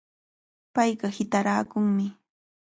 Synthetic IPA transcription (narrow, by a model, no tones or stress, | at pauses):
pajɢɑhɪt̪aɾaːkʊŋmɪ